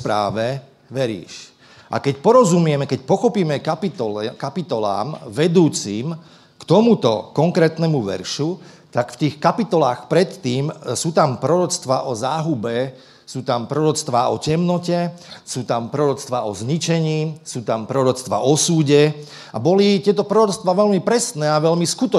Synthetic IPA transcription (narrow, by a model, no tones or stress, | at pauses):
pɾaːʋɛ | ʋɛɾḭːʃ | ʔa̰kɛcpɔɾɔzumɪɛmɛkɛcpɔxɔpiːmɛkapiɔkapit̪ɔla̰ːmʋɛd̪uːt͡siːm | kt̪ɔmut̪ɔ̰kɔŋkɾɛːt̪nɛmuʋɛ̰ɾʃu | t̪akft̪iːxkapit̪ɔlaːxpɾɛt̪ːiːmsuːt̪ampɾɔɾɔt͡st̪ʋaʔɔzaːɦubɛ | suːt̪ampɾɔɾɔt͡st̪ʋaɔcɛmnɔcɛsuːt̪ampɾɔɾɔt͡st̪ʋaɔzɲit͡ʃɛɲiːsuːt̪ampɾɔɾɔt͡st̪ʋa̰ʔɔsuːɟɛ | a̰bɔlit̪ɪɛt̪ɔpɾɔɾɔt͡st̪ʋaʋɛlmipɾɛsnɛːaʋɛʎmiskut̪ɔ